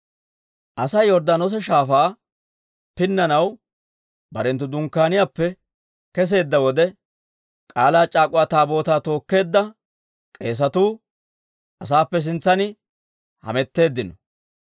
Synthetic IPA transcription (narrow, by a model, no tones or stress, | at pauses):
ʔɐsɐjɔɾd̪aːnɔs̬ɛʃaːfaː | pɪnːɐnɐw | bɐɾɛnt̪ːʊd̪ʊŋkːaːnɪjaːpːɛ | kɛs̬e̞ːd̪ːɐwɔd̪ɛ | kʼaːlaːt͡ʃʼaːkʼʊwaːt̪aːbo̞ːt̪aːt̪o̞ːkːe̞ːd̪ːɐ | kʼe̞ːs̬ɐt̪uː | ʔɐsaːpːɛs̬ɪnt͡sːɐnɪ | hɐ̰mɛt̪ːe̞ːd̪ːɪnɔ